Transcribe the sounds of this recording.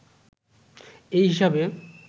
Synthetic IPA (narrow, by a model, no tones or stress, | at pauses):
ejɦiʃabe